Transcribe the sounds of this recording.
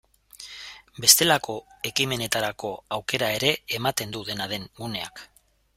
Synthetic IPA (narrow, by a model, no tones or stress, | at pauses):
be̞st̪e̞lako̞e̞kime̞ne̞t̪aɾako̞awke̞ɾae̞ɾe̞ːmat̪e̞nd̪uðe̞naðe̞ŋɡune̞a̰k